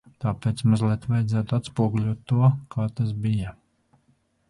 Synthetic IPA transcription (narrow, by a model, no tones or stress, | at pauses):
t̪aːpeːt̪smazlˠiɛt̪vajd̪zæːt̪uat̪spuɔɡulʲuɔt̪ːuɔkʰaːt̪asbijɐ